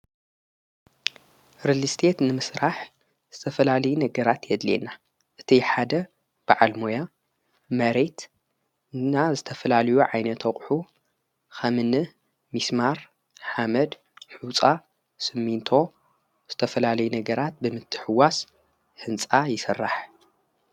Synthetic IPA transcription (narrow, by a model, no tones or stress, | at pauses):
ɾɨlɨst̪ʰe̞t̪nɨmɨsɾaħ | z̥ɨt̪ʰɐfɐlalɐjunɐɡɐɾat̪jɛd̪lḛna | ʔɨt̪ʰiħad̪ɐ | b̥aʕalmoja | mɐɾe̞t̪ | ɨnːazɨt̪ʰɐfɐlalɐjuʕajnɐt̪ʰɐχʼħu | xɐmɨnɨ | mismaɾ | ħamɐd̪ | ħut͡sʼa | sɨmːint̪ʰo̞ | z̥ɨt̪ʰɐfɐlalɐjunɐɡɐɾat̪̚bɨmɨt̪ʰːɨ̥ħɨwas | hɨnt͡sʼajɪsɨrːaħ